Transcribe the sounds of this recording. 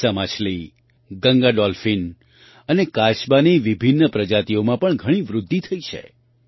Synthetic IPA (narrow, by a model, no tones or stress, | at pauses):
amat͡ʃʰli | ɡəŋɡaɖɔlfin | ənekaʃbaniʋibʱinːəpɾəd͡ʒat̪iomãpəɳɡʱəɽ̃iʋɾʊd̪ʱːit̪ʰəit͡ʃʰḛ